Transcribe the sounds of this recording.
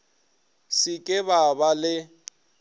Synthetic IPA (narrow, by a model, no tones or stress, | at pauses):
sɪkʼɪβabalɪ